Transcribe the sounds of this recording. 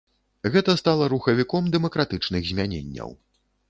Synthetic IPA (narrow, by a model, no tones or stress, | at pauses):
ɣɛt̪ɐst̪alˠɐɾuxɐvʲikɔmd̪ɛmɐkɾat̪ɨt͡ʂnɨɣzʲmʲanʲḛnʲːɐ̰w